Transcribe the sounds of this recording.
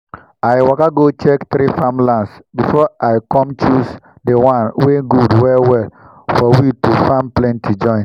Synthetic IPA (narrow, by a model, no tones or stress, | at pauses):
ajwakaɡot͡ʃɛkt̪ɾifãmlãnsbifɔʔaɪkɔ̃mt͡ʃus | dewãnweɡudwɛlwɛl | fɔwitufãmplɛ̃ntʰid͡ʒɔ̃ɪ̃n